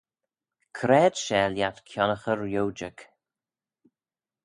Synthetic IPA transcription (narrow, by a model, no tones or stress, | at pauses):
kʰɾɛːd̥ʃɛːljat̪kʰjɔnəxəɹjowd͡ʒək